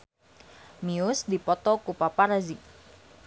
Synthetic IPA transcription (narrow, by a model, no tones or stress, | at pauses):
miʊsd̪ipɔt̪ɔkupapaɾazi